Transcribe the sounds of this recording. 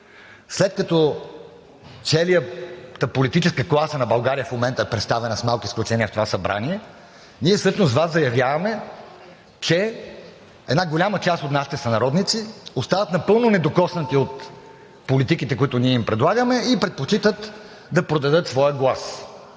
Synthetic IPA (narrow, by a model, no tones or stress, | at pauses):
slɛt̪̚kɐt̪ɔ | t̪sɛlijət̪əpolit̪it͡ʃɛskəklˠasənɐbɐlˠɡaɾijəfmomɛnt̪ɐɛpɾɛt̪st̪avɛnəsmalˠkisklʲut͡ʃɛniəft̪ovasɐbɾʔa̰niɛ | niɛsɤʃnozvaszɐjɐvʲjavɐmɛ | t͡ʃɛ | ɛd̪naɡolʲamət͡ʃast̪ot̪naʃi̥t̪ɛsɐnɐɾɔd̪nit̪siost̪avɐt̪nɐpɤlˠnonɛd̪okɔsnɐt̪iot̪ | polit̪ikit̪ɛkoit̪ʊniɛimpɾɛd̪lˠaɡəmɛipɾɛt̪̚pot͡ʃit̪ət̪ | d̪ɐpɾod̪ɐd̪ɤt̪svɔjəɡlˠas